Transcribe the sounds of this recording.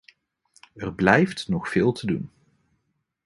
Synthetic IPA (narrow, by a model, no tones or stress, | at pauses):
ərblɛjftnɔχfɪːlˠtʰədun